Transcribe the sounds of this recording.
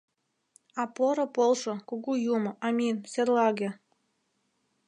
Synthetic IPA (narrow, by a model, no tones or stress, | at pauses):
ɑpoɾŏpolˠʃokuɣujumŏʔɑmʲinserlɑɣĕ